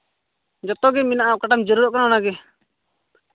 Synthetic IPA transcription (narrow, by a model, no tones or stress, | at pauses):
d͡ʒɔt̪ɔɡɛminaʔakaʈamd͡ʒəɾuɾɔʔ̚kanɔnaɡɛ